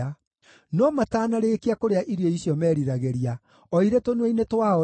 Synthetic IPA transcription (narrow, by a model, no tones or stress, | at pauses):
a | nɔmataːnaɾekeakoɾeaʔiɾiɔisjɔmɛːɾiɾaɣɛɾia | ɔiɾetonwɛinetwaɔ